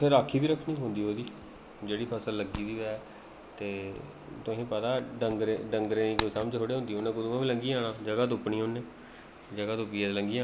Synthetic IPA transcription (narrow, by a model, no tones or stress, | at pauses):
pʰɪɾaːkʰːiːbiːɾəkʰːniːɦõːnd̪iːɦoːd̪iː | d͡ʒeːɽiːpʰəsəlːəɡiːd̪iːʋɛː | t̪eː | t̪ʊɦĩːpət̪aːɖəŋɡɾeːɖəŋɡɾẽːnĩːkoːiːsamd͡ʒɦoːɽeːɦõnd̪iːoʊnẽːkʊd̪uãːʋĩːləŋɡiaːɽaːd͡ʒəɡaːt̪̬ʊpɳĩːʊnːẽː | d͡ʒəɡaːt̪ʊpiːãd̪ləŋɡiã